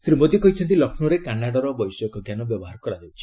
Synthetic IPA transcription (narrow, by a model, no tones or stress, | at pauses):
sɾimod̪ikɔɦit͡ʃʰɔnt̪ilɔkʰnuɾekanːaɽaɾɔbɔjsɔekɔɡjanɔbjɔbɔɦaɾɔkɔɾad̪ewt͡ʃʰi̥